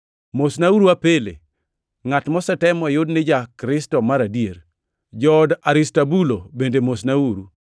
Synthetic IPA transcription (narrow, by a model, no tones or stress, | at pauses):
mosnauɾuapelḛ | ŋatmɔsɛtɛmɔjʊdnɪd͡ʒakɾɪstɔmaɾadieɾ | d͡ʒɔdaɾɪstabulobendemosnauɾu